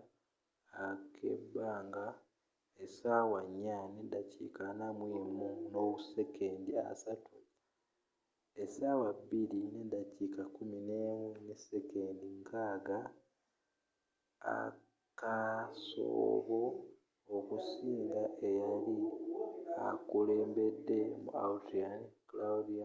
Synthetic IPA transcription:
akʰḛbːaːŋɡa | esaːwaɲːanedacikanamwiːmunoβusekʰeːndia̰satu | esaːwabilinedacikakuminewunesekeːndiŋkaːɡa | a̰ | kaso̰βo̞ | okusiːŋɡaʔejali | akule̞ːmbedːe̞mṵa̰utiaklaudia

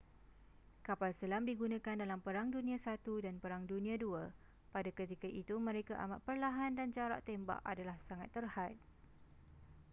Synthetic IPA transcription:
kapalsəlamdiɡunãkandalampəɾaŋdunĩãsat̪udanpəɾaŋdunĩãdua | padakət̪ikaʔit̪umə̃ɾekaʔa̰maʔ̪̚pərlaɦandand͡ʒaɾa̰ʔt̪emba̰ʔa̰dalahsaŋa̰t̪ːərhat̪̚

